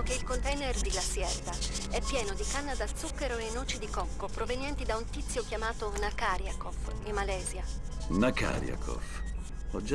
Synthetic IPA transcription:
keilkont̪ɛjnerd̪iɡlasjɛrd̪aɛpːjɛːnod̪ikanːad̪alt̪sukːeɾoenoːt͡ʃid̪ikɔkːopɾovenjɛnt̪id̪aunt̪it̪sːjokjamaːt̪onakaːɾjakofimːalɛːzjanaka̰ɾja̰kʰɔ̰f | ɔd͡ʒ

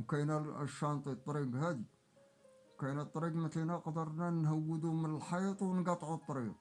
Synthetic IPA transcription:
kæjnæʃɑnt̪ˤit̪ˤːɾiɡhæd̪i | kæjnæt̪ˤːɾiqmət̪inæqd̪əɾˤnænhəwːəd̪umənəlħɑjt̪ˤwnɡɑt̪ːˤʕut̪ˤːɾiɡ

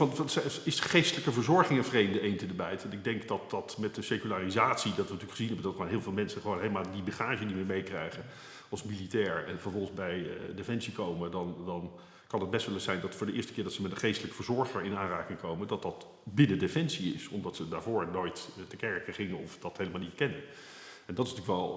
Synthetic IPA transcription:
ɑnɑnsɛɪsχejstələkəvəɹzɔɹχɪŋənvrejmdəejntədəbɛjtɛnɪɡ̚dɛŋkdɑt̚dɑtmɛt̚dəsejkylaːrizaːtsidɑtʋəntyːlkχəzinɦɛbəndɑtχoːnɦɪːlˠvɪːlˠmɛnsəχəʋownɦejləmaːlˠdibəχaːʒədimɪːɹmejkrɛ̰jχə | ɑlˠsmilitɛːɹɛnvəɹvɔlˠχənzbɛjə̰defɛnsikowmədɑndɑn | kɑnɦəd̚bɛstʋɛlˠəsɛjndɑtfʊːɹdəʔɪːɹstə̥kɪːɹdɑtsəmɛtdəχejstələkə̥fəːɹzɔɹχəɹɪnaːnraːkɪŋkowmədɑt̚dɑt | bɪnədefɛnsiɪsɔ̰mdɑtsədaːɹvʊːɹnoːjttəkɛɹkəχɪŋənɔfdɑtɦejləmalˠnitkɛnən | ɛndɑtɪsntyːəkʋɛlˠ

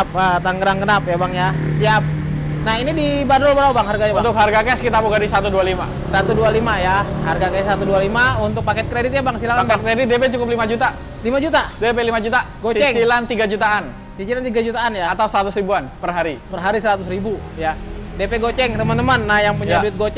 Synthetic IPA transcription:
p̚ət̪aŋɡəɾaŋɡənapjabaŋja | siap̚ | nahinidibadɔlbəɾawbaŋɦarɡajant̪ʊkharɡakɛskit̪apuɡadisat̪udualima̰ | sat̪udualimajaharɡakɛsat̪udualimaunt̪ʊk̚pakɛt̪̚kɾedit̪̚jabaŋsilakakɛt̪̚kɾedɪt̪̚depɛt͡ʃukʊp̬̚limad͡ʒut̪a | limad͡ʒut̪adepɛlimad͡ʒut̪aɡost͡ʃɛŋt͡ʃilant̪iɡad͡ʒut̪aʔan | sit͡ʃilant̪iɡad͡ʒut̪aːnjaat̪ausəɾat̪ʊsɾibuanpərɦaɾipərɦaɾisəɾat̪ʊsɾibujadepeɡot͡ʃɛŋt̪əmant̪əmanːahjaŋpuɲaduɪt̪̚ɡot͡ʃ

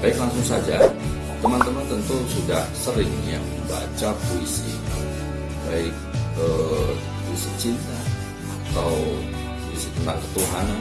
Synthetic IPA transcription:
baɪklaŋsʊŋsad͡ʒa | t̪əmant̪əmant̪ənt̪usudahsəɾɪŋjaŋməmba̰t͡ʃapoisḭ | baɪk̚ə | pisit͡ʃɪn | at̪aw | poisit̪ənt̪aŋkət̪uɦan

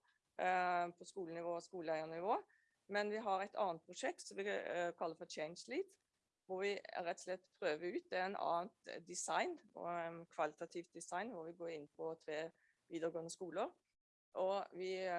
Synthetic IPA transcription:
pʰɔskuːlənɪʋoːɔskuːləæɪənɪʋoː | mɛnʋɪɦɑɾæɪt̪ʰɑ̰ːnt̪̚pʰɾʊʂɛk̚t̪sɔmʋɪkʰɑlːəfɔt͡ʃʰɛɪnsliːt̪ | ʋʊɾʋɪɾɛt̪ːslɛt̪ːpʰɾøːʋəʉːt̪̚ːɛɛnɑ̰ːənt̪d̪ɪsɑɪnɔ̰nkʰʋɑlɪt̪ɑt̪ʰiːft̪̚d̪ɪsɑɪnʋʊɾʋɪɡoːɾɪnːpʰɔt̪ʰɾeː | ʋiːd̪əɾɡoːnəskuːləɾ | ʔɔʋɪ

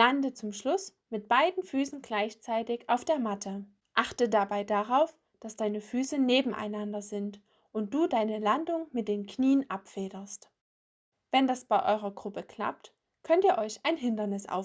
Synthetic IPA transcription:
landət͡sʊmʃlʊs | mɪt̚b̥aɪdn̩fyːsn̩ɡlaɪçt͡saɪtɪçʔaʊfd̥eːɐmatʰə | ʔaχtədabaɪdaʁaʊf | d̥asd̥aɪnəfyːsəneːbm̩ʔa̰ɪnandɐzɪnt | ʔʊnt̚d̥uːdaɪnəlandʊŋmɪt̚d̥eːnkniːənʔapfeːɾɐst | v̥ɛndasb̥aɪʔɔʏʁɐɡʁʊpəkl̥a̰p̚t | kʰœntiːɐʔɔʏçaɪnɦɪndɐnɪsʔa̰ʊf

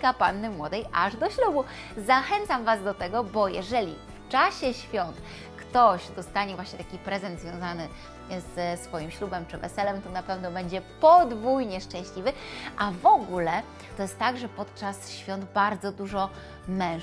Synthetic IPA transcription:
kapanːɘmwɔd̪ɛjʔa̰ʐd̪ɔɕlubu | zaxɛnt̪samvazd̪ɔt̪ɛɡɔbɔjɛ̰ʐɛlʲḭft͡ʂaɕɛɕfʲjɔnt̪ | kt̪ɔɕd̪ɔst̪aɲɛvwaɕɲɛt̪akʲipɾɛzɛnd̪zvʲjɔ̃w̃zanɘ | zsfɔjimɕlubɛmt͡ʂɘvɛ̰sɛlɛmt̪ɔnapɛvnɔbɛɲd͡ʑɛpɔd̪vujɲɛʂt͡ʂɛ̃w̃ɕlʲivɘʔavɔɡulɛ | t̪ɔjɛst̪ːaɡʐɛpɔt̪t͡ʂasɕfʲjɔnd̪baɾd̪zɔd̪uʐɔ | mɛ̃ʂ

